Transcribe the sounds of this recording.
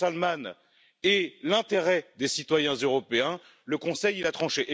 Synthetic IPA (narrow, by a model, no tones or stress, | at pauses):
alman | elɛ̃t̪eʁɛd̪esit̪wajɛ̃zøʁɔpeɛ̃ | ləkɔ̃sɛjilat̪χɑ̃ʃeʔe